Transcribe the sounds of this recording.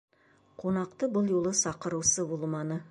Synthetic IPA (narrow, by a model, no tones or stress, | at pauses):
qʰo̞nɑqt̪əbʊlˠjolˠəsɑqəɾuwsəbolˠmɑnə